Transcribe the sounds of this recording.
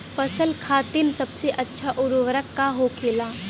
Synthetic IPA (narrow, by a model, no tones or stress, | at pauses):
pɐsəlkʰaːt̪ɪnsɐbseʔɐtːʃʰaʔʊɾʋəɾəkːaɦokʰeːlaː